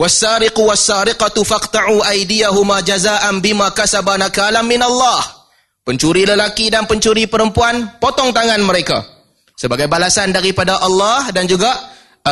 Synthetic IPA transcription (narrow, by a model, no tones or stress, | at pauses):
wasːaːɾɪquwasːaːɾɪqat̪ufaqt̪aʕuʔajdijaɦumad͡ʒazaːʔanbɪmãkasabanakalamːɪnalːɑh | pəɲt͡ʃuɾiləlakidanpəɲt͡ʃuɾipəɾəmpuanpot̪ɔŋt̪aŋãnməɾeka̰ | səbaɡajbalasandaɾipadaʔɑlːɑhdand͡ʒuɡa